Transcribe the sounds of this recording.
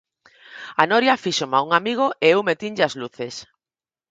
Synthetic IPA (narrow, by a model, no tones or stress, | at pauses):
anoɾjafiʃomauŋamiɣ̞oʔeewmet̪iɲʎɪazluθes